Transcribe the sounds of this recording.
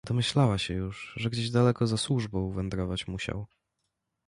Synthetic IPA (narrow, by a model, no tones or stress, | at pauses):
d̪ɔmɘɕlawaɕɛjuʐʐɛɡd͡ʑeʑd̪alɛkɔzaswuʐbɔ̃wvɛnd̪ɾɔvat͡ɕmuɕa̰w